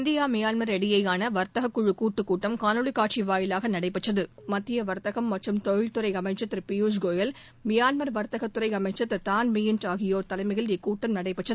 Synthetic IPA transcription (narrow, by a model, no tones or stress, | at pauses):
nd̪ɪjaːmɪjaːnmɐɾɛɽɪjɐjaːnɐʋɐɾt̪ɐɣɐkːʊɻɯkːuːʈːɯkːuːʈːɐmkaːnɯɭɪkaːʈ̚t͡ʃiʋaːjɪlaːɣɐnɐɽɐɪpːɐʈːɐðɯmɐt̪ːɪjɐʋɐɾt̪ɐɣɐmːɐʈrɯmt̪ɔɻɪɭt̪ɯɾɐɪɐmɐɪt͡ʃːɐt̪ːɪɾpɪjuːsɡoːjɐl | mɪjaːnmɐɾʋɐɾt̪ɐɣɐt̪ːɯɾɐɪɐmɐɪt͡ʃːɐt̪ːɪɾt̪aːnmɪjɪnʈaːɣɪjoːɾt̪ɐlɐɪmɐɣɐlikːuːʈːɐmnɐɽɐɪpɐʈːɐðɯ